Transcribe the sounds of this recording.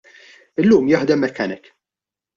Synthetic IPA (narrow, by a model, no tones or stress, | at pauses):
ɪlːuːmjɐħd̪ɛmːɛkːɐnɪk